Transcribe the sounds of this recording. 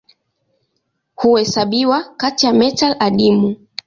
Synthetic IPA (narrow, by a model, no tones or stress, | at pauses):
huwɛsaɓiwakatijamɛtalaɗimu